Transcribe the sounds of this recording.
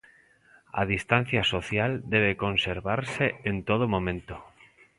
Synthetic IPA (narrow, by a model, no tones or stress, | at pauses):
a̰ð̞ist̪an̟θjasoθjald̪eβ̞ekonseɾβaɾseent̪oð̞omõmẽnt̪o̥